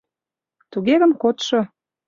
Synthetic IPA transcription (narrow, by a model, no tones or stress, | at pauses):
t̪uɣeɣə̆mkot̪ʃo